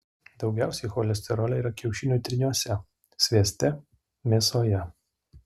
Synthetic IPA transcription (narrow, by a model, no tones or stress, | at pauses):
d̪ɒʊɡʲæˑʊsʲɛɪxɔːlʲɛsʲt̪ʲɛɾɔːlʲɛiːɾɐkʲɛʊʃʲɪnʲut̪ʲɾʲɪnʲuɔsʲɛ | sʲʋʲiɛsʲt̪ʲɛ | mʲeːsoːjɛ